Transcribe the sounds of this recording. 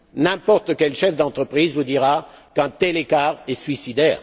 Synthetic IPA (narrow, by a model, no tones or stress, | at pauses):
nɛ̃pɔʁt̪kʲɛlʃɛfd̪ɑ̃t̪χəpχiːzvud̪iʁakɛ̃t̪ɛlekaʁɛsɥisid̪ɛːʁ